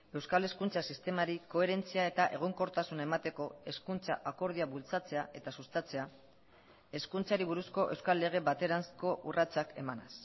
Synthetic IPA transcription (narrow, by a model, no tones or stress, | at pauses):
e̞wskale̞skunt͡sasist̪e̞maɾiko̞e̞ɾe̞nt͡siae̞t̪aʔe̞ɣ̞o̞ŋko̞ɾt̪asunae̞mat̪e̞ko̞e̞skunt͡sa̰ʔako̞ɾð̞iaβult͡sat͡se̞aʔe̞t̪asust̪at͡se̞a | e̞skunt͡saɾiβ̞uɾusko̞ʔe̞wskalːe̞ɣ̞e̞βat̪e̞ɾansko̞ʔurat͡sake̞mana̰s